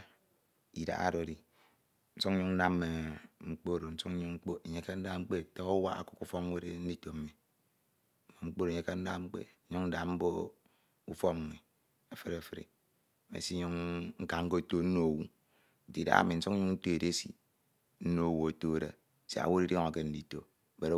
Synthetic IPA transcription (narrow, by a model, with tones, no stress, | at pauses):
i˨da̰˨˦a̰˦˨ɾo˨di˨ | n̩˦su˦ŋ̩˦ɲu˦ŋn̩˦na˦me˨ŋ͡m̩˦˨k͡po˦˨ɾo˨n̩˦su˦ŋ̩˦ɲu˦ŋŋ͡m̩˦k͡po˦e˨ɲe˦ke˦n̩˦da˦ŋ͡m̩˦k͡pe˦˨to˦o˦wa̰˦a̰˦˨ku̥˦ku˦˨fɔ˦we˦ɾe˦n̩˦di˦to˨m̩˦mi˨ | mo˨ŋ͡m̩˦k͡po˦ɾo˨ɲe˦ka˦n̩˦da˦ŋ͡m̩˦k͡pḛ˦ɲu˦ŋn̩˦da˨m̩˦bo˦ | u˦fɔ˦˨mi˨ | e˨fe˦ɾe˨fi˨ɾḭ˨ | mḛ˨si˦ɲu˦ŋŋ̩˦ka˨ŋ̩˦ko˦˨to˦n̩˦no˦˨wu˦˨ | di˨da̰˦a̰˨mi˨n̩˦su˦ŋ̩˦ɲu˦ŋn̩˦to˦e˨de˦sḭ˨ | n̩˦no˦˨wo˨o˨to˦˨ɾḛ˨ | sḭ˨a̰˨wo˦i˦ɾi˦ŋa˨ke˦n̩˦di˦˨to˦˨ | be˨ɾ